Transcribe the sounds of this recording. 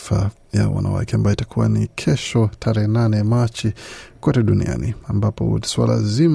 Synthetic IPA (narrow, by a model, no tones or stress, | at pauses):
fa | jawa̰nʔa̰wa̰kɛambajɔitakʰuwa̰nikʰɛʃɔtʰaɾɛhɛnanɛmat͡ʃikɔtɛɗunḭa̰niambapɔ̰swa̰la̰zim